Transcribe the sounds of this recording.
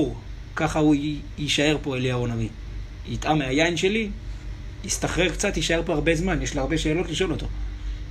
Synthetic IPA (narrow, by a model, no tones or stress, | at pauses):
uʁ | kaχauiʃae̞ʁpo̞eliao̞navi | it̪ʔameajainʃe̞li | ist̪aχʁeʁkt͡sat̪iʃae̞ʁpo̞aʁbe̞zmanjeʃliaʁbe̞ʃeːlo̞tliʃo̞lo̞t̪o̞